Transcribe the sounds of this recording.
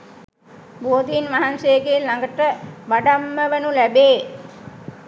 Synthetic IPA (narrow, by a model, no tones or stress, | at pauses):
boːd̪iːnʋaɦansejːɡelːaŋɡəʈəʋaɖamːəʋənulæbeː